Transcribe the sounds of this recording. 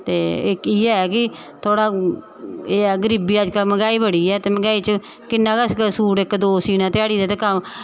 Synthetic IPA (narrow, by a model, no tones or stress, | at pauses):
t̪eːɪkiːɛːkɪ | t̪ʰoːɽaː | eːɛːɡəɾiːbiːəd͡ʒkəlməɡaːiːbəɽiːɛːt̪eːməɡaːiːt͡ʃə | kɪnːãːkassuːɽɪkd̪oːsiːnãːt̪ɪjaːɽiːd̪eːt̪eːkəm